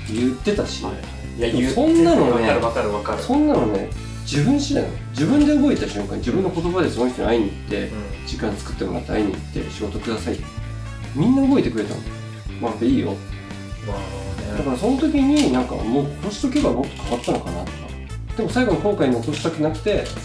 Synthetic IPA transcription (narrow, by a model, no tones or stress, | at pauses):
jɯt̪ːe̞t̪aɕi | sõ̞nːanonaaɾakaɾsõ̞nːanone̞̰ | d͡ʑibɯ̟̃ɰ̃ɕid̪a̰jnod͡ʑibɯ̟̃nd̪e̞obo̞et̪aɕɨ̟̃ŋkãɲ̟d͡ʑibɯ̃nːo̞ko̞t̪o̞bad̪e̞sonoçʲit̪oḭaiɲ̟iːt̪ːe̞̰d͡ʑikãnt͡sɨ̥kɯ̟̥t̪ːemo̞ɾa̰t̪ːeaiɲ̟ḭːt̪ːe̞̰ɕiɡo̞t̪okɯ̟d̪asait̪ː | mʲĩnːaobo̞et̪e̞kɯ̟ɾe̞t̪a̰n | majapːeiːjo̞̰t̪ː | naod̪akaɾaso̞not̪o̞kʲiɲ̟inãŋka̰moːkoɕi̥t̪ok̬ʲeɡamo̞t̪ːo̞̥kʰaβat̪ːanokana̰t̪ːo̞̥ka̰ | d̪̥e̞mo̞saiɡo̞ɲ̟iko̞ːkaiɲiot̪oɕi̥t̪akenakɯ̟̥t̪e̞